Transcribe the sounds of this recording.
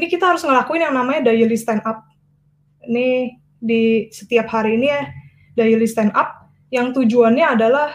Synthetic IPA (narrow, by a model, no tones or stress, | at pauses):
nikit̪aɦaɾʊsŋəlakuɪnjaŋnamaɲadajilist̪ɛnʔap̚ | ni | disə̥t̪iap̚haɾiːnija | dajilist̪ɛnʔap̚ | jaŋt̪ud͡ʒuanɲaːdalah